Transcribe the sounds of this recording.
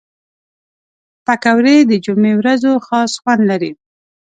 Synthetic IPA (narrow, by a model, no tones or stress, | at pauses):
pakawɾed̪əd͡ʒʊmewɾazoxɑsxwand̪laɾi